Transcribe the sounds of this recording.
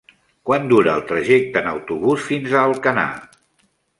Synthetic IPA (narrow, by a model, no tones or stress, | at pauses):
kwand̪uɾəːlˠt̪ɾəʒek̚t̪ənə̰wt̪uβusfinzəːlˠkəna̰